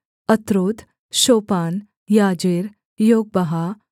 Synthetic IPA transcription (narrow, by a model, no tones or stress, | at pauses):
ət̪ɾoːd̪ | ɕoːpaːn | jad͡ʑeɾ | joːɡ̚bɐɦa